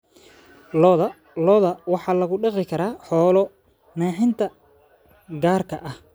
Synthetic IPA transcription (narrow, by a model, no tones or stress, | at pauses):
lɔðɐ | lɔðɐwɑħɑːlɐɣʊɖɑqɪkʰɐɾaːħɔːlɔ | naːħɪnt̪ʰɐ | ɡaːrkʰɐʔɐh